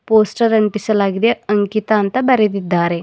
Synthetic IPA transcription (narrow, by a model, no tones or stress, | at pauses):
posʈəɾənt̪isəlaɡd̪eəŋkit̪aːnt̪abɐɾed̪id̪ʱaːɾe